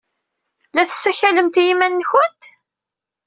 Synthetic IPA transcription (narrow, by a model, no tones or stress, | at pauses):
læθə̥sːæçæləmt̪jimænːçʊnt̪